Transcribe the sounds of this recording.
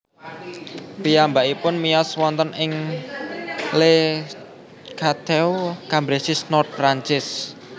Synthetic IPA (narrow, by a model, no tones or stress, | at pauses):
pijambaʔipʊnmijɔswɔnt̪ənɪŋ | le | kʰat̪ɛwkambɾesɪsnɔrt̪̚fɾaɲt͡ʃɪs